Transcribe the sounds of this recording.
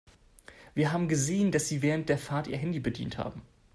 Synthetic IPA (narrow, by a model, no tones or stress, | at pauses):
v̥iːɐɦaːbm̩ɡəzeːəndasz̥iːvɛːʁ̞ənt̚d̥eːɐfaɐtʔiːɐɦɛndibədḭːntha̰ːbm̩